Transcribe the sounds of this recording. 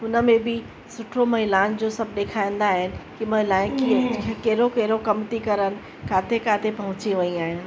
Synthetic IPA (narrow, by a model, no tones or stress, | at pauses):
ʊnəmẽbɪ | sʊʈʰomɐɦɪlaːnd͡ʑoːsɐb̚ʱɗ̪eːkʰaːĩn̆d̪aːɦɪnɪ̆kimɐɦɪlaːɪ̃nkʰikʰekeːɾokeːɾokɐmt̪ikɐɾənɪ̆ | kʰaːt̪ʰekʰaːt̪ʰepɐɦʊ̃t͡ɕiʋɐiaːɦɪnɪ̆